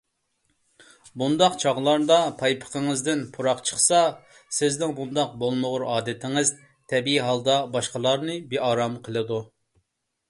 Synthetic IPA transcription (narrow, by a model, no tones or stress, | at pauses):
bund̪ɑqt͡ʃʰɑʁlˠɑɾd̪ɑpʰɑjpʰə̥qʰəŋɨzd̪ɪnpʰuɾɑqt͡ʃʰə̥χsɑ | sɪznɪŋbund̪ɑq̚bolˠmʊʁʊɾɑːd̪ɪt̪ʰɪŋɨz | t̪ʰɛbiiɦɑlˠd̪ɑbɑʃqəlˠɑɾnɨbeɑːɾɑmqʰəlˠɨd̪u